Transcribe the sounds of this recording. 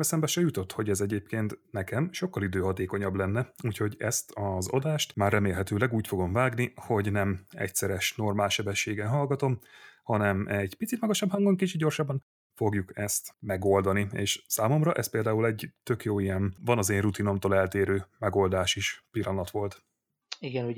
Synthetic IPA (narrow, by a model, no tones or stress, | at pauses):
ɛsɛmbɛʃɛjut̪o̞t̪ho̞ɟɛzɛɟeːpkeːnt̪nɛkɛmʃo̞kːɒlid̪øːɦɒt̪eːko̞ɲɒblɛnːɛuːcho̞ɟɛ̰st̪ʰɒzɒ̰d̪aːʃt̪maːrːɛmeːlɦɛt̪øːlɛɡuːcfo̞ɡo̞ɱvaːɡniho̞ɟnɛmɛ̰csɛɾɛʃno̞rmaːlʃɛbɛʃːeːɡɛnɦɒlɡɒt̪o̞mhɒnɛmɛɟpit̪sit̪mɒɡɒʃɒbhɒŋɡoŋkit͡ʃit̪̚ɟo̞rʃɒbːɒn | fo̞ɡjukɛst̪mɛɡo̞ld̪ɒniḛːʃsaːmo̞mrɒʔɛspeːld̪aːulɛɟt̪ø̞kjoːijɛnvɒnɒzeːnrut̪ino̞mt̪oːlɛlt̪eːɾøːmɛɡo̞ld̪aːʃiʃpilːɒnɒt̪ʋo̞lt̪ | iɡɛnu